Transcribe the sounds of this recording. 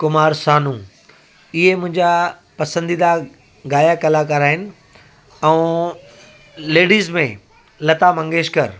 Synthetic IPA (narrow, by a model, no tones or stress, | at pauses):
kʊmaːɾsaːnũː | ɪɦemʊ̃ɦɪ̃ɲd͡ʑa | pɐsə̃nd̪iːd̪a | ɡaːjakɐlak̬ɐɾaːɦɪnɪ̆ | ɛu | leːɽiːzmẽ | lɐt̪amɐ̃ŋɡeːʃkɐɾ